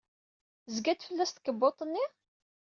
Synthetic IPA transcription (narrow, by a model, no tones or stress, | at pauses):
zɡæt̪fəlːæst̪ə̥kəbːot̪ˤənːi